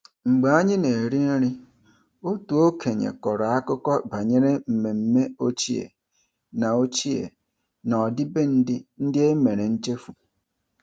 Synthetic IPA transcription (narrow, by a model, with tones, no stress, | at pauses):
ŋ͡m̩˨ɡ͡ba˨a˦ɲɪ˦ne˨e˨ɾi˦n̩˦ɾi˦ | o˦tu˨o˦kʰe˨ɲḛ˨kɔ˨ɾɔ˨a˦kʊ˦kɔ˦ba˨ɲe˦ɾe˦m̩˨me˨m̩˦me˦o˦t͡ʃi˦ḛ˨ | na˨o˦t͡ʃi˦ḛ˨ | na˨ɔ˨dɪ˦be˦n̩˦dɪ˦n̩˦dɪ˦e˦me˨ɾe˨n̩˦t͡ʃe˦fu˨